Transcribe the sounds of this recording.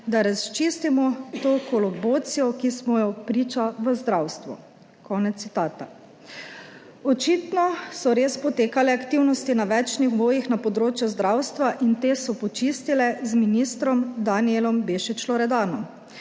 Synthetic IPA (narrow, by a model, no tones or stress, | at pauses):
d̪aɾast͡ʃist̪imɔt̪oːkolɔboːt̪sijɔkismɔjɔpɾiːt͡ʃaʋəzd̪ɾawst̪ʋɔ̰ | kɔːnɛt̪ːit̪aːt̪a̰ | ɔt͡ʃit̪nɔsɔɾeːspɔt̪eːkalɛakt̪iwnɔst̪inaʋɛt͡ʃnixboːjixnapɔd̪ɾoːt͡ʃjuzd̪ɾawst̪ʋaʔint̪eːsɔpɔt͡ʃist̪ilɛzminist̪ɾɔmd̪anielɔmbeːʃit͡ʃlɔɾɛd̪aːnɔm